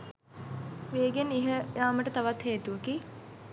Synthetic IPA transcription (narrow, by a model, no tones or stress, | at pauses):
ʋeːɡeniɦəjaːməʈət̪aʋat̪heːt̪uʋɐki